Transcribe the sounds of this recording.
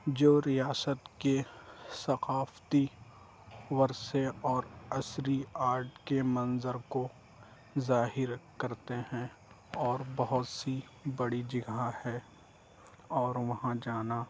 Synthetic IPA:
d͡ʒoːɾijaːsət̪kesɐqaːft̪i | ʋɐɾseɔːɾɐsɾiaːɾʈkemɐ̃nzəɾko | zaːɦɪɾkɐɾt̪eɦɛ̃ | ɔːɾbɐɦʊt̪si | bɐɽid͡ʒɪɡahɛ | ɔːɾʋɐɦãd͡ʒaːna

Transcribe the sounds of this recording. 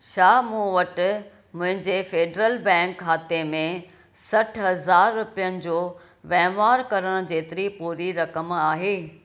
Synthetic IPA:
ʃaːmũːʋɐʈ̆ | mʊ̃ɦɪ̃ɲd͡ʑeːfeːɖɾəlbɛ̃ːŋkʰːaːt̪emẽ | sɐʈʰɦɐzaːɾːʊpijənɪ̆d͡ʑoː | ʋɛ̃ːʋaːɾkɐɾəɽ̃ʊd͡ʑeːt̪ɪɾipuːɾiɾɐkəmaːɦeː

